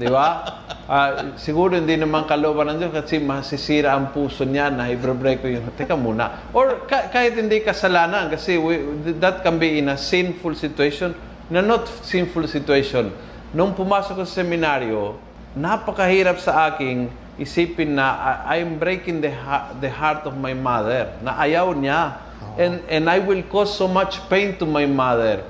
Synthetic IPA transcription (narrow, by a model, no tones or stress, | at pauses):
d̪ɪba | ʔasɪɡuːɾohɪnd̪inɐmaŋkɐloobanɐŋd̪joskɐsimɐsɪsiɾaːŋpuːsoɲjanɐhɪbɾɛbɾejkojʊŋɦt̪ɛkamuːna̰ | ʔoɹkakaːhɪt̪hɪnd̪ikɐsɐlaːnankɐsɛwd̪at̪̚kanbiɪnɐsɪnfulsɪt̪weʃon | nɐnot̪sɪnfʊlsɪt̪weʃonː | oŋpumasot̪ossɛminaɹjo | napakahiɾap̚saakɪŋ | isipiŋnaʔa̰jmbɾejkɪ̃ŋd̪əaðəhaɾt̪ɔvmajmaðɛɹnaʔajawnja | ɛnɛ̃najwɪlkosːomat͡ʃpẽjnt̪umajmaðɛɹ